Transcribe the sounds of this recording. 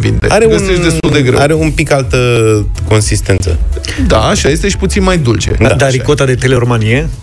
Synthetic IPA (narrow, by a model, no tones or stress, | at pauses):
vḭnd̪eaɾeɡəseʃt̪d̪e̞st̪uld̪e̞ɡɾḛaɾeumpikalt̪ə | ko̞nsist̪e̞nt̪sə̰ | d̪a̰ːʃaje̞st̪e̞ʃi̥put̪sinmajd̪ult͡ʃe̞̰d̪ad̪aɾikot̪ad̪e̞t̪e̞leɾomanie